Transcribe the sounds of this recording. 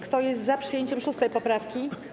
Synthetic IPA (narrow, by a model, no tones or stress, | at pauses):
kt̪ɔjɛst̪zapʂɨjeɲt͡ɕɛmʂust̪ɛjpɔpɾafkʲi